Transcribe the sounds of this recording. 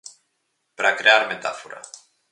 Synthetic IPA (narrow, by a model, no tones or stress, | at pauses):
pɾakɾearmet̪a̰foɾa̰